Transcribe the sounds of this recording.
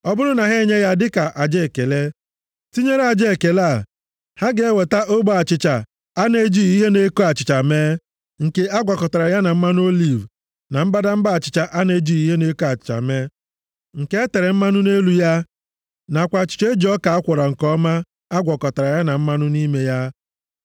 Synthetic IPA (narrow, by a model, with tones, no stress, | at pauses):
ɔ˦bʊ˦ɾʊ˦na˨ɦe˦ɲe˦ja˦dɪ˦ka˨ʔa˨d͡ʒe˦˨ke˨le˦ | ti˦ɲe˦ɾe˦a˨d͡ʒe˦˨ke˨la˦˨ | ha˦ɡe˨˦e˦we˨ta˦ʔo˦bo˦a˨t͡ʃɪ˨t͡ʃa˨ | a˦ne˦d͡ʒi˦i˦ɦe˦ne˦ko˦a˨t͡ʃɪ˨t͡ʃa˨meː˦ | ŋ̩˨ke˨a˦ɡʷɔ˨kɔ˨ta˨ɾa˨ja˦na˨m̩˦ma˦n˦o˦li˨v | na˨m̩˦ba˦da˦m̩˦ba˦a˨t͡ʃɪ̥˨t͡ʃa˦ʔa˦ne˦d͡ʒi˦i˦ɦe˦ne˦ko˦a˨t͡ʃɪ̥˨t͡ʃa̰˨me˦ | ŋ̩˨ke˦e˦te˨ɾe˨m̩˦ma˦nʊ˦ne˦lu˦ja˦ | na˨kʷa˨t͡ʃɪ̥˨t͡ʃe˦d͡ʒɔ˦ka˨a˦kʷʊ˨ɾa˨ŋ̩˨kɔ˦ma˦ | a˦ɡʷɔ˨kɔ˨ta˨ɾa˨ja˦na˨m̩˦ma˦nʊ˦ni˦me˦ja˦